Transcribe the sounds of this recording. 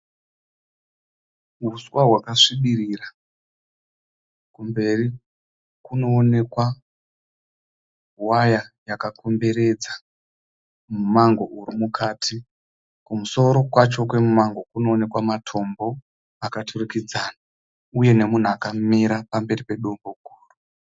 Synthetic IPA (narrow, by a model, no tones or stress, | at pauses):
ɦuswaɦwakaʂiɓirira | kumbe̞ri | kuno̞ːne̞kwa | wajajakako̞mbe̞ɾe̞d͡za | mumaŋɡo̞uɾimukʰatʰi | kumuso̞ɾo̞kwat͡ʃo̞kwe̞mumaŋɡo̞kuno̞ːne̞kwamatʰo̞mbo̞ | akatʰurukid͡zana | uje̞ne̞mun̤uakamiɾapambe̞ripe̞ɗo̞mbo̞ɡʱuːru